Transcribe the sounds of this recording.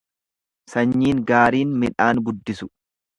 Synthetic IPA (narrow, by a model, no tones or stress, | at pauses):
sɐɲːiːŋɡaːɾiːnmɪᶑaːnɡʊd̪ːɪsʊ̥